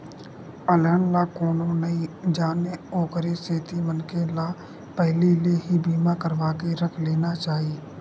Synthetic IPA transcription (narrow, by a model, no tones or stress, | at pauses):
ələɳlakoːnõnəɦĩd͡ʒaːneoːkəɾeseːt̪imənkela | pɛɦlileɦibʱiːmakəɾʋaːkeɾəkʰleːnat͡ʃaːɦieː